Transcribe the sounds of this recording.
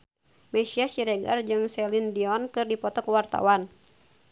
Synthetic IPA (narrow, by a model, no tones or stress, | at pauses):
mɛsiasiɾɛɡard͡ʒɨŋsɛlindiɔnkɨrdipɔt̪ɔkwart̪a̰wan